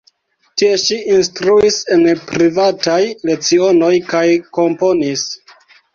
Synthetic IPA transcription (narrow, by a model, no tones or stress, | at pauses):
tie̞ʃiinstɾuise̞npɾivatajle̞t͡sio̞no̞jkajko̞mpo̞nis